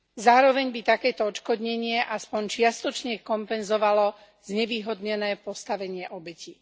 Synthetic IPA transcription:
zaːɾɔʋɛɲbit̪akɛːt̪ɔɔt͡ʃkɔd̪ɲɛɲɪɛʔaspɔɲt͡ʃɪast̪ɔt͡ʃɲɛkɔmpɛnzɔʋalɔ | z̥ɲɛʋiːɦɔd̪ɲɛnɛːpɔst̪aʋɛɲɪɛʔɔbɛciː

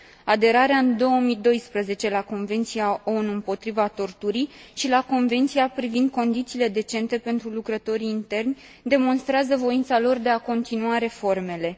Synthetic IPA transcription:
ad̪e̞ɾaɾeaɨnd̪o̞wəmid̪o̞jspɾəze̞t͡ʃe̞lako̞nve̞nt̪sijao̞nuɨmpo̞t̪ɾivat̪o̞rt̪uɾiʃilako̞nve̞nt̪sijapɾivind̪̚ko̞nd̪it̪siːle̞d̪e̞t͡ʃe̞nt̪e̞pe̞nt̪ɾulukɾət̪o̞ɾiːnt̪e̞rnʲ | d̪e̞mo̞nst̪ɾeazəvo̞int̪salo̞rd̪e̞ako̞nt̪inuaɾe̞fo̞rme̞le̞

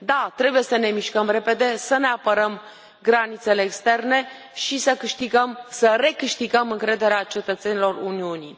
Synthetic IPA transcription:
d̪at̪ɾe̞buje̞səne̞miʃkəmre̞pe̞d̪e̞səne̞apəɾəm | ɡɾanit̪se̞le̞ːkst̪e̞rne̞ | ʃisəkɨʃt̪iɡəmsəre̞kɨʃt̪iɡəmɨŋkɾe̞d̪e̞ɾeat͡ʃe̞t̪ət̪se̞nilo̞runiunḭ

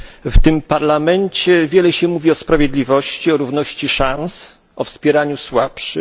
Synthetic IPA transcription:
ft̪ɘmpaɾlamɛɲt͡ɕɛvʲjɛlɛɕɛmuvʲiɔspɾavjed̪lʲivɔɕt͡ɕiɔɾuvnɔɕt͡ɕiʂãns | ʔɔfspʲjɛɾaɲuswapʂɘ

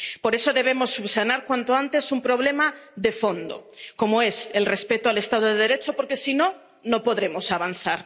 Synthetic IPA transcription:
po̞ɾe̞so̞ðe̞β̞e̞mo̞sːuβsanaɾkwant̪oant̪e̞sumpɾo̞βle̞maðe̞fo̞nd̪o̞̰ko̞moe̞se̞lre̞spe̞t̪oale̞st̪að̞oðeð̞ɾe̞t͡ʃopo̞ɾke̞sino̞ | no̞po̞ðɾe̞mo̞saβanθaɾ

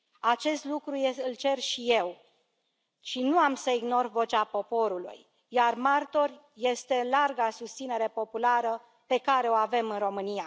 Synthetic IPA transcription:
at͡ʃe̞st̪lukɾujeɨlt͡ʃe̞rʃije̞w | ʃinuamsəiɡno̞rvo̞t͡ʃapo̞po̞ɾulṵj | jarmart̪o̞rʲ | je̞st̪e̞larɡasust̪sine̞ɾe̞po̞pulaɾə | pe̞kaɾe̞o̞ave̞mɨnro̞mɨnija

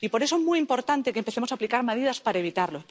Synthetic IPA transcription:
ipo̞ɾeoezmujimpo̞ɾt̪ant̪ekempeθemosaːplikaɾmeð̞iðaspaɾaeβ̞it̪aɾlo

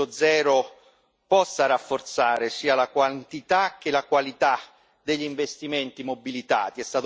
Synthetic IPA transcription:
ʊd̪zɛːɾʊ | pɔsːaɾafːort̪saːɾɪsiːalakwant̪it̪ak̟ːelakwalit̪a | d̪eʎːiɱvest̪iment̪imobilit̪a̰ːt̪iɛst̪aːt̪

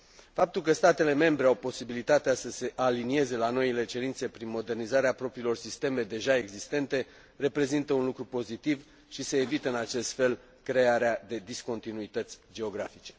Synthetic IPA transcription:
fap̚t̪ulk̬əst̪at̪e̞le̞me̞mbɾeawpo̞sibilit̪at̪easəse̞ʔalinie̞ze̞lano̞ile̞t͡ʃe̞ɾint̪se̞pɾinmo̞d̪e̞rnizaɾeapɾo̞pɾiːlo̞rsist̪e̞me̞d̪e̞ʒae̞ɡzist̪e̞nt̪e̞ | re̞pɾe̞zint̪əunlukɾupo̞zit̪iv | ʃise̞ːvit̪əɨnat͡ʃe̞st̪fe̞l | kɾe̞aɾead̪e̞d̪isko̞nt̪inuit̪ət̪sʲd͡ʒe̞oɡɾafit͡ʃe̞̥

